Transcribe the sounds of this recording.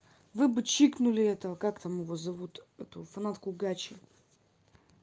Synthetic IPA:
vɨbɨt͡ɕiknʊlʲɪɛt̪əkakt̪amɪvozɐvut̪ɛt̪ʊfɐnat̪kʊɡat͡ɕɪ

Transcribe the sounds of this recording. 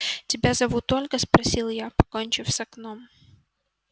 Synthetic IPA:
tʲɪbʲazɐvut̪o̞lʲkəspɾɐsʲilˠjapɐ̥konʲt͡ɕɪfsʲɐknom

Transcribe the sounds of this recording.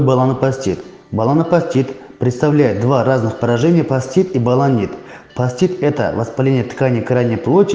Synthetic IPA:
balˠanɨpasʲtʲit̪ | balˠanɨpasʲtʲit̪pɾʲɪt̪st̪avlʲæjɪt̪̚d̪varaznɨxpəɾɐʐɛnʲɪjəpasʲtʲit̪ibalˠanʲːit̪pasʲtʲit̪ɛt̪ə̰vɐspalʲenʲɪjət̪kanʲɪjəkɾajnʲɪjəplˠotʲ

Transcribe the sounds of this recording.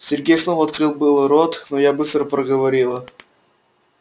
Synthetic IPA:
sʲɪrɡʲejsnovɐt̪kɾɨlˠbɨlˠɾot̪nojabɨst̪ɾəpɾəɡəvɐɾʲilˠə

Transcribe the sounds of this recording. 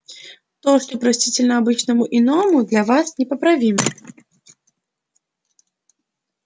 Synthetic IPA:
t̪ɔʂt̪ɔpɾasʲtʲit͡sʲɪlʲnɐabɨt͡ʃnɐmuʔinɔmud̪lʲɐvasnʲɛpɐpɾavʲimɐ

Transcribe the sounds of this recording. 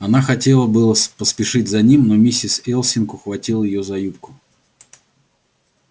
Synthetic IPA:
ɐnaxɐtʲe̞lˠəbɨlˠəspəspʲɪʂɨtʲzɐnʲimno̞mʲisʲɪsɛlˠsʲɪnkʊxvɐtʲilˠjɪjozɐjup̚kʊ̥

